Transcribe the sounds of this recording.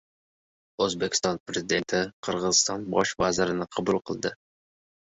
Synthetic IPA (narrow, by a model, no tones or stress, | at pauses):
ɵzbekʲɪ̥st̪ɒnpɾezɪd̪e̞nt̪ʰɪqʰəɾʁɨzɨst̪ɒnbɒʃvazɪɾɪnɪqʰɑbulˠqʰəlˠd̪ɪ